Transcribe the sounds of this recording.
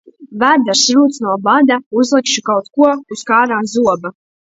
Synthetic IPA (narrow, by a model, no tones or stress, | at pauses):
væɾd̪aɾsɾuːt̪snuɔbad̪auzlˠikʃukawt̪kuɔuskaːɾaːmzuɔba